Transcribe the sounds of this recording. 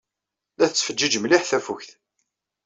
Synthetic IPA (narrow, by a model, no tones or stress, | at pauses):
læθət͡sːfəd͡ʒːid͡ʒmliħθæfuçθ